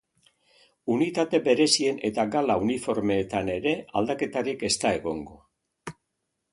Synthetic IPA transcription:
unit̪at̪e̞be̞ɾe̞sie̞ne̞t̪aɡalaunifo̞ɾme̞ːt̪ane̞ɾe̞ald̪ake̞t̪aɾike̞st̪ae̞ɣo̞̰ŋɡo̞̰

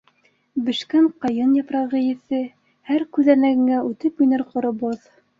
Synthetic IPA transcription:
bɘ̆ʃkæɴqɑjɤnjɑpɾɑʁɘ̆jɘ̆θɘ | hæɾkʉðænæɡɘ̆ŋæʔʉt̪ɘpujnɤɾqŏɾŏboð

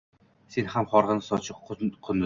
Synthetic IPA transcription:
senhamχɒɾʁɨnɪsɒt͡ʃʰɪqqʰʊn

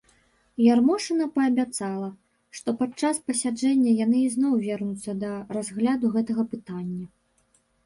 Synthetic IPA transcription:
jarmɔʂɨnɐpɐːbʲat̪salˠɐ | ʂt̪ɔpat͡ʂaspɐsʲad͡ʐɛnʲːɐjanɨiznɔwvʲɛrnut̪sːɐd̪ɐrazɣlʲad̪uɣɛt̪ɐɣɐpɨt̪anʲːɐ

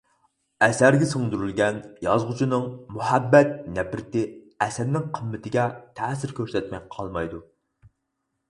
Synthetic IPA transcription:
ɛsæɾɡʲɛsɨŋd̪uɾylɡʲɛnjɑzʁʊt͡ʃʰinɨŋmuhæbːɛt̪̚nɛbɾɪt̪ɪ | ɛsɛnːɪŋqʰəmːɪt̪ʰɪɡʲɛt̪ʰɛːsɪɾkʲʰøɾsɛt̪mɛjqʰɑlˠmɑjd̪u

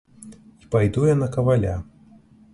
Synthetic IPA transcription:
ipajd̪ujanɐkɐvalʲa̰

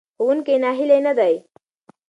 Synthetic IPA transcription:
ɦunkenaɦilenəd̪aj

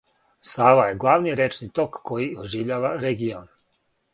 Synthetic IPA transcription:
saːʋajeɡlˠaʋniɾet͡ʃnit̪o̞kːo̞jioʒiʋʎaːʋaɾeɡion

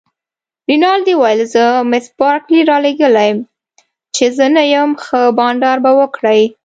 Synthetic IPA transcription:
ɾinɑld̪iwajəlzəmɪspɑɾkliɾɑleɡəlajm | t͡ʃezənajəmxəbɑɳɖɑɾbawəkɽəj

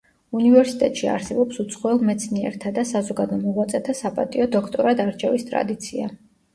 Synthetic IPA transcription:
univɛɾsit̪ʼɛt̪ʼʃia̰ɾsɛbɔpsut̪sʰχɔɛlˠmɛt̪sʰniɛ̰ɾt̪ʰad̪asazɔɡad̪ɔmɔʁat̪sʼɛt̪ʰasapʼa̰t̪ʼiɔd̪ɔkʰt̪ʼɔɾad̪aɾt͡ʃʰɛvist̪ʼɾa̰d̪it̪sʰia̰

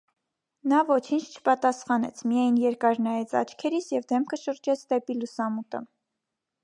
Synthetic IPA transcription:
nɑvɔt͡ʃʰint͡ʃʰt͡ʃʰə̥pɑt̪ɑsχɑnɛ̰t͡sʰmijɑjnjɛɾkɑɾnɑjɛt͡sʰɑ̰t͡ʃʰkʰɛɾit͡sʰjɛvd̪ɛmkʰəʃəɾd͡ʒɛt͡sʰd̪ɛpilusɑmut̪ə̰

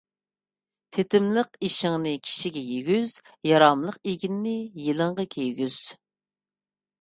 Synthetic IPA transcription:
t̪ʰet̪ɪmləqiʃɪŋnɨkʲʰi̥ʃiɡʲɛjeɡʲyz̥ | jɑɾɑmlˠəqeɡʲinːɪjilˠəŋʁɑkʲʰejɡʲyz̥

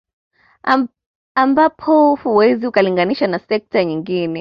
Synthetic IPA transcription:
ambapʰɔhuwɛziukaliŋɡaniʃanasɛk̚taɲiŋɡinɛ

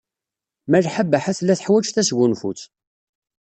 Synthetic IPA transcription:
mærħabːaħaθlːæθə̥ħwæt͡ʃθæsɡunfṵt͡s

